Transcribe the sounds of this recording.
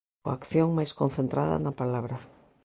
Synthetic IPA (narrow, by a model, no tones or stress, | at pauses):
akθjõŋmajskonθent̪ɾa̰ða̰napalaβɾa